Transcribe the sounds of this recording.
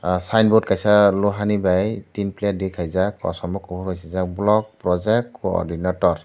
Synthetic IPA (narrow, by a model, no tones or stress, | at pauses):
sajnbɔd̚kajsaluɦanibajtinplɛdikʰajzakɔ̰sɔmbɔkɔbuɾɦɔjsizak̚blɔk̚pɾɔzɛk̚tɔ̰dinatɔɾ